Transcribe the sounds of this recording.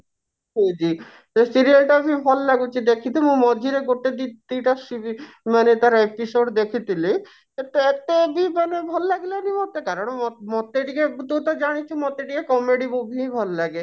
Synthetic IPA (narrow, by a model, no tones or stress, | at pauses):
ed͡ʑi | esiɾialʈabibʱɔllaɡut͡ɕʰid̪ekʰit̪imũmɔd͡ʑʱiɾeɡoʈːed̪it̪ːiʈasii | manet̪aɾepisoɖd̪ekʰit̪ile | et̪ːeɛk̚t̪ebimanebʱɔllaɡlanimɔt̪ːekaɾoɳɔmɔt̪ːeʈiket̪ut̪ad͡ʑaɽ̃it͡ɕʰumɔt̪ːeʈikekɔmeɖimubʱibʱɔllaɡe